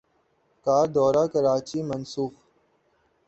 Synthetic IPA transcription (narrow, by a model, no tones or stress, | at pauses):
kaːɾd̪ɔːɾaːkəɾaːt͡ʃiːmənsuːx